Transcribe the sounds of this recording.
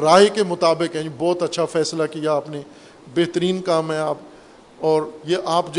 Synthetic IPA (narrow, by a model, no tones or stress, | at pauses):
ɾaːɦekemʊt̪aːbɪkɦɛ̃ibɔːt̪ɐtːʃʰafɛːslakijaːpne | beːɦt̪əɾiːnkaːmɦɛ̃aːp | ɔːɾjeʔaːpd͡ʒ